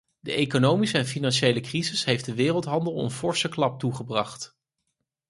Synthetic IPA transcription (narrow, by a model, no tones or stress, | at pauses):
dəʔejkonowmisəɛnfinɑnʃejləkrizɪsɦejfdəʋɪːrəlˠtɦɑndəlˠə̰nfɔɹsəklɑp̚tuχəbrɑχt